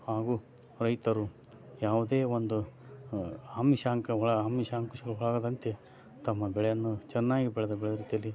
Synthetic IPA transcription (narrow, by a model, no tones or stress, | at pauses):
haːɡuː | ɾɐjt̪ɐɾu | jaːʋud̪eːʋond̪u | aːmiʃaːŋkɐɦɔɭɐaːmiʃaːŋkuʃiɡɐɭɦɔɭaːɡɐd̪ɐnt̪e | t̪ɐmːɐbɛɭɛjɐnːut͡ʃɛnːaːɡibɛɭed̪ɐbɛɭd̪ɐɾiːt̪ijɐlːi